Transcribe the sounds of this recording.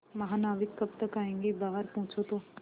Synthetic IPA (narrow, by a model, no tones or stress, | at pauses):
mɐɦãːnaːʋɪkːɐbt̪ɐkaːẽːŋɡebaːəɾpɔ̃ːt͡ʃʰot̪õː